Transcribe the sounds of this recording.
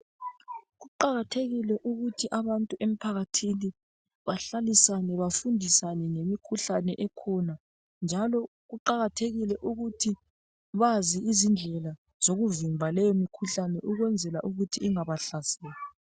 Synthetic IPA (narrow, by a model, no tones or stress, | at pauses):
ɣuǃaɣatʰeɣilɛʔuɣutʰiʔaβantʼuʔem̩pʰaɣatʰini | βaɬalisanɛβafundʱisanɛŋemikʰuɬanɛʔɛkʰɔna | nd͡ʒʱalɔ | ɣuǃaɣatʰeɣilɛʔuɣutʰi | βaziizind͡ɮʱɛla | z̥oɣuvimbʱalɛjɔmikʰuɬanɛʔuɣwɛnd͡zʱɛlaʔuɣutʰiːŋaβaɬasɛːla